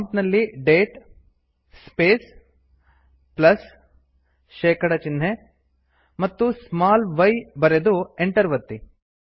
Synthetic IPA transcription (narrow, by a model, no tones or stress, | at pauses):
mpnɐlːiɖeːʈ | speːs | plɐs | ʃɛːkɐɽɐt͡ʃinɦe | mɐt̪ːusmaːlʋɐjbɐɾed̪ueɳʈɐɾʋɐt̪ːi